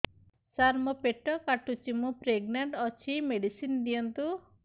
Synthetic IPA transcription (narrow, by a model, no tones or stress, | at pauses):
saɾmɔpeʈɔkaʈut͡ʃimupɾeɡnaɳʈɔt͡ʃʰimeɖisind̪ijɔnt̪u